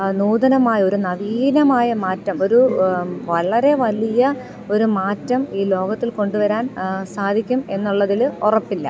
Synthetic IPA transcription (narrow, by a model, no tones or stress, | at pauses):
nuːd̪ɐnɐmaːjɐo̞ɾunɐʋiːnɐmaːjɐmaːtːɐmo̞ɾuʋɐɭɐɾe̞ʋɐlijɐ | o̞ɾumaːtːɐmiːlo̞ːɡɐt̪ːilko̞ɳɖuʋɐɾaːnsaːd̪ʱikʲːume̞nːuɭːɐðilorɐpːilːɐ̰